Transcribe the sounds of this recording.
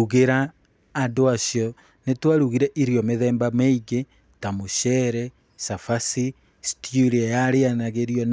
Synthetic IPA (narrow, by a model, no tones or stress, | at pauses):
uɣeɾaː | ndoasjɔ | netwaɾuɣiɾɛʔiɾjɔmeðɛːmbameiɣe | tamoʃɛɾɛ | safasi | stjuɾiajaɾeanaɣeɾijɔn